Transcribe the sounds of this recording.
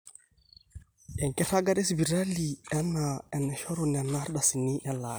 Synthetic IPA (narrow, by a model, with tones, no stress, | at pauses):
ɛ˨ŋ˨kɛ˦ta˦ɡa˦ɗe˦s̬bi˨ɾa˦li˨a˦na˨ɛ˨ne˨ʃo˦ɾo˨ne˨na˦ɾɗa˨si˨ni˦ʔɛ˦la˨